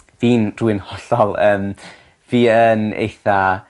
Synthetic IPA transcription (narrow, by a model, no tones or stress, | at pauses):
viːnruɨnhɔɬɔlˠəːm | viːənḛjθa